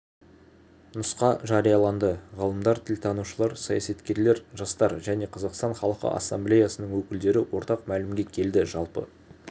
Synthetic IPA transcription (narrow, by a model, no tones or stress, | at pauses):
nəsqɑʒɑɾijɑlˠɑnd̪əʁɑlˠəmd̪ɑɾt̪ʰɪlt̪ʰɑnuʃəlˠɑɾsɑjɑsɑt̪kʲe̞ɾle̞ɾʒɑst̪ɑɾʒæne̞qʰɑzɑqst̪ɑnχɑlˠəqə̰ʔɑ̰sːɑmblʲejasənəɴwɵkʲɪld̪e̞ɾɪwo̞ɾt̪ɑqmælɪmɡʲe̞kʲʰe̞ld̪ɪʒɑlˠpə̰